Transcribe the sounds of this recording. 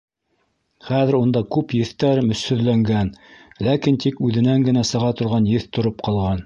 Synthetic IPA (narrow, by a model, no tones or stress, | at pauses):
χæðɘ̆ɾund̪ɑkʉpjɘ̆θt̪æɾmɵ̆shɵ̆ðlæŋɡænlækint̪ikʉðɘ̆næŋɡɘ̆næsɤ̆ʁɑt̪ŏɾʁɑnjɘθt̪ŏɾop̚qɑlˠʁɑn